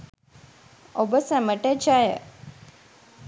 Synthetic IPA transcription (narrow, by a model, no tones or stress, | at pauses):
obəsæməʈət͡ʃajə̰